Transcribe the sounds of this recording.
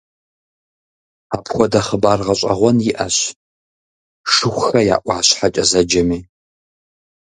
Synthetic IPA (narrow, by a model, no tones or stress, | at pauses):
aːpʰxʷɔdɐχəbaːrʁɐɕʼɐ̰ʁʷɔnjɪʔɐɕ | ʂɨxʷxɐja̰ːʔʷʼɑːɕħat͡ʃʼɐzɐd͡ʒɐmiː